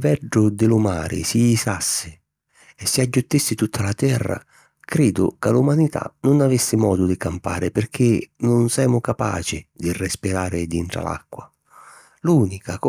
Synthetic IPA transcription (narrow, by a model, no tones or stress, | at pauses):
vɛɖʊd̪ɪlʊmaːɾʔɪ̰siːsasːɪ | ɛsːɪad͡ʒːʊt̪ːisːɪt̪ut̪ʰːalat̪ɛrːa̰ | kɾiːd̪ʊ̰kalumanit̪ʰa̰nʊnavɪsːɪmɔ̰ːd̪ʊd̪ɪkampa̰ːɾɪpɪrk̟ʰɪnʊnsɛːmʊkapa̰ːt͡ʃɪd̪irɛspiɾaːɾɪd̪int̪ɾa̰la̰kːwa̰ | luːnikak